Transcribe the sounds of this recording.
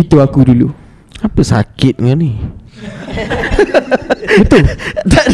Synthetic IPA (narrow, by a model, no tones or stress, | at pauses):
it̪uakudulu | apəsa̰kɪt̪̚ŋani | it̪ud̪a